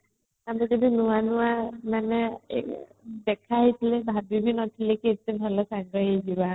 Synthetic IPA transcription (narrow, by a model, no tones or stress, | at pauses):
amizedinuwanuwamanɛ | dɛkʰaɦit̪ʰilebʱabibinɔt̪ʰilekiːtebʱalɔsaŋɡɔɦeziba